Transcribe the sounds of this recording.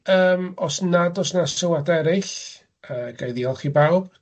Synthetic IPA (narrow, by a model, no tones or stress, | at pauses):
əːmɔsnadɔsnasɪwadɛɾɪɬ | əɡajðiɔlˠχiːbawb̥